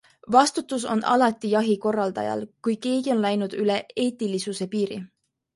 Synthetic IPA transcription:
vɑst̪ut̪ːˑus̬o̞̰nʔɑ̰lɑt̪ːˑijɑɦiko̞rːɑld̪ɑ̰jɑ̰lkujke̞ːɡio̞nlæjnud̪̥yle̞e̞ːt̪ːˑilisuse̞piːɾḭ

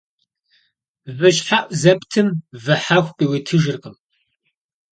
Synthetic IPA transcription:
vɨɕħaʔʷʼzɐptʰɨmvɐħaːxʷpʼiwitʰɨʒɨrqʼəm

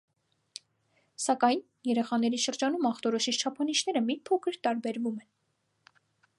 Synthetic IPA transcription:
sɑkɑjn | jɛɾɛχɑn̪ɛɾiʃəɾd͡ʒɑnumɑχt̪ɔɾɔʃit͡ʃʰt͡ʃʰɑpʰɑniʃn̪ɛɾəmipʰɔkʰəɾt̪ɑɾbɛɾvumɛn

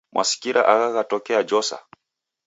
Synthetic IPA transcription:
mwʔasi̥kiɾʔa̰ʔaɣaɣatɔkɛad͡ʒɔsa̰

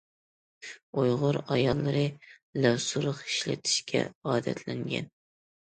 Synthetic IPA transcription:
ojʁʊɾɑjɑlˠːɨɾɨ | læsuɾəqi̥ʃlɪ̰t̪ʰi̥ʃkʲʰɛ̰ɑːd̪ɛ̰t̪ʰlɪŋɡʲɛ̰n

